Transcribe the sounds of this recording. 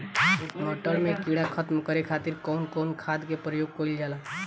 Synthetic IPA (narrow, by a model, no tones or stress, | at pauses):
kmɔːʈəɾmẽkiɽakʰət̪mkəɾekʰaːt̪ɪɾkɔʊnkɔːnkʰaːd̪kepɾəjoːɡ̚koɪld͡ʒaːla